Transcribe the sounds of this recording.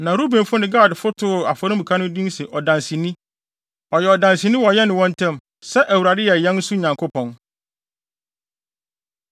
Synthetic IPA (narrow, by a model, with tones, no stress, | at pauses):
nã˨ɾu˦bẽ˨˦fʊ˦nɪ̃˦ɡaː˦˨dfʊ˦tʰʊ˦˨a˨fɔ˨ɾɪ̃˦bkʰa˦nʊ̃˦dĩ˦sɪ˨ʔɔ˨dã˨nsi˨nĩ˦ | ɔ˨jɛ˨ɔ˨dã˨nsi˨nĩ˦wɔ˨jɛ˦nɪ̃˨wɔ̃˦n˦tʰɛ̃˦m | sɛ˦ʔæ˨wu˨ɾa˨dɪ˦jɛ˨jɛ̃˦n̩˦su˦ɲã˨ŋkʰʊ˦pʰɔ̃˨n